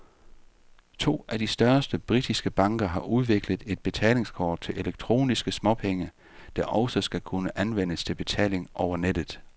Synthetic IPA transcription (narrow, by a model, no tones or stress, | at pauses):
t͡sʰo̝̰ːʔæd̥isd̥ɶɐsd̥əb̥ʁid̥isɡ̥əb̥ɑ̈ŋɡ̥ɐɦɑ̈ʔuð̞ˠʋe̝ɡ̥ləðˠe̝d̥̚b̥e̝t͡sʰɛ̰ːle̝ŋskʰɒːd̥̚t͡sʰe̝lʔe̝leɡ̥̚t͡sʰʁo̝̰ːnisɡ̥əsmɒ̽pʰeŋə | d̥ɑʔɒ̽ʊsɒsɡ̥ækʰunəʔænʋen̰əst͡sʰe̝lb̥e̝t͡sʰɛ̰ːle̝ŋʔɒʊɐned̥ð̩ˠ